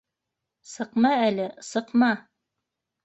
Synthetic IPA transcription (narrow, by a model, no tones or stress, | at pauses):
sɤ̆qmɑælɘsɤ̆qmɑ